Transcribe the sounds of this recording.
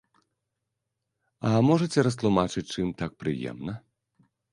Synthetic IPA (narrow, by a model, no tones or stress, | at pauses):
ɐmɔʐɐt͡sʲɛɾɐs̬t̪lˠumat͡ʂɨt͡sʲt͡ʂɨmt̪ak̚pɾɨ̰jɛ̰mnɐ